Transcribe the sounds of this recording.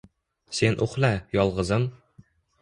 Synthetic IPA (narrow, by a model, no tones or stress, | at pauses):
senʔuχlæjɒlˠʁɤ̆zɤm